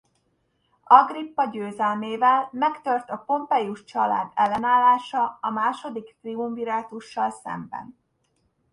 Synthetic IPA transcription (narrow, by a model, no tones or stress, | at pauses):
ɒɡripːɒɟøːzɛlmeːvɛlmɛkt̪ørt̪ɒpo̞mpɛjuʃt͡ʃɒla̰ːd̪ɛlːɛnaːlːaːʃɒɒmaːʃo̞d̪ikt̪riumviɾaːt̪uʃːɒlsɛ̰mbɛ̰n